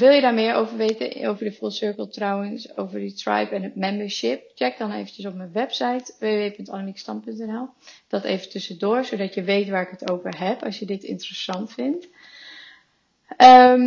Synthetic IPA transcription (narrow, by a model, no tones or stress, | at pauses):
ʋɪlˠjədaːɹmɪːɹowvəɹʋejtə̰o̰wvəɹdəfulˠsʏɹkəlˠtrawənso̰wvəɹdətra̰jpɛnət̚mɛmbəɹʃɪp̚t͡ʃɛɡ̚dɑnḛjvənt͡ʃəsɔp̚mənʋɛpsajtʋeːeʋejpɵntanəmikstɑnpɵntɛnɛlˠd̥ɑtḛjvəntɵsədʊːɹsodɑtjəʋejtʋaːɹɪkətowvəɹɦɛpɑ̰sjədɪtɪ̰ntərəsɑntfɪnt | ʔə